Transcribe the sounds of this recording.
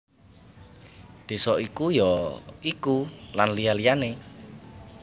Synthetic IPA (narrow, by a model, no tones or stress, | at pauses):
d̪̥e̤sɔikujɔikulanlialijane